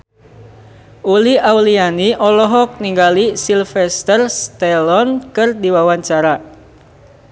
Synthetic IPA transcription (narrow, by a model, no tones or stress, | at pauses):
ʔuliawlianiʔɔlɔɦɔk̚niŋɡalisilfɛst̪ərst̪ɛlɔnkɨrdiwawaɲt͡ʃaɾa